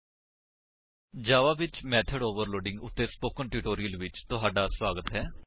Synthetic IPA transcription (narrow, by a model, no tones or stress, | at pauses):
d͡ʒaːʋaːʋɪt͡ʃmɛːt̪ʰəɖoːʋəɾloːɖɪ̃ŋɡʊt̪ːeːspoːkənʈjuːʈoːɾiəlʋɪt͡ʃt̪ʊɦaːɖaːswaːɡət̪ɦɛː